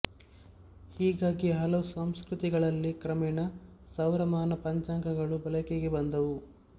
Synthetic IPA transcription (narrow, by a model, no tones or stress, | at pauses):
hiːɡaːɡiɦɐlɐʋusɐmskɾut̪iɡɐɭɐlːikɾɐmɛːnɐ | sɐwɾɐmaːnɐpɐɲt͡ʃaːŋkɐɡɐɭubɐlɐkeɡebɐnd̪ɐʋu